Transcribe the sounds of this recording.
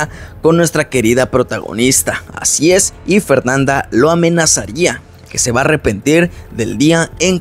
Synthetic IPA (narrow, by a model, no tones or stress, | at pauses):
ako̞nːwe̞st̪ɾake̞ɾiðapɾo̞t̪aɣo̞̰nist̪aa̰sie̞sife̞ɾnand̪alo̞amẽ̞nasaɾia | ke̞se̞βaːre̞pe̞nt̪iɾðe̞ld̪iaeŋ